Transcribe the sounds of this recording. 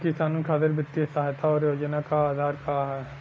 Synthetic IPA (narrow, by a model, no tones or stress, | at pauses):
kɪsaːnənkʰaːt̪eɾbɪt̪ːiesaːɦet̪ʰaɔːɾjoːd͡ʒənakaaːd̪ʱaːɾkaɦɛ